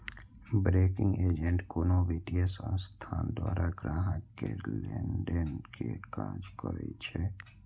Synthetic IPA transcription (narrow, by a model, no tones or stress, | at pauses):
bɾeːkɪ̃ŋɡeːd͡ʒẽɳʈkoːnoʋiːʈiəsə̃nst̪ʰaːnd̪waːɾʔaɡɾaːɦəkːelẽɳɖənkekaːd͡ʒkəɾə̰it͡ʃʰɛ